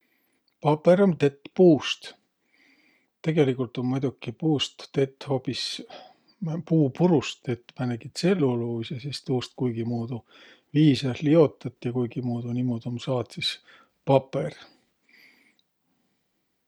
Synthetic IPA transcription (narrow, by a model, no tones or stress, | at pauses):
pɑpːˑe̞ɾont̪e̞t̪ːpuːst̪ | t̪e̞ɡ̥e̞likult̪o̞nmojd̪̥ukːipuːst̪ːe̞t̪ːˑhopis | puːpuɾust̪e̞t̪ːmæneɡit̪se̞lːuluːsesist̪uːst̪̚kujɡ̥imuːd̪u | viːsɑlio̞t̪ːˑɑt̪ːˑjɑkujɡimuːd̪̥unimod̪̥omsɑːt̪sis | pɑpe̞r